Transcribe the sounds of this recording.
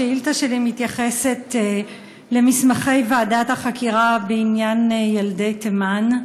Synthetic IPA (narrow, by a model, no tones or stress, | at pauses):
eiltaʃelimitjaχe̞se̞t | le̞mismaχe̞jvaːdathaχakʰiʁabeinjanjalde̞jteman